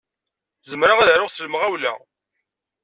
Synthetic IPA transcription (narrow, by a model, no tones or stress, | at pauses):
zəmɾaʁæðɾʊʁsəlmʁæwlæ̰